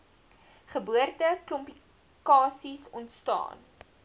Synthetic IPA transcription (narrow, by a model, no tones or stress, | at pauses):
χəbuərtəklɔmpi | kɑːsisɔntstɑ̰ːn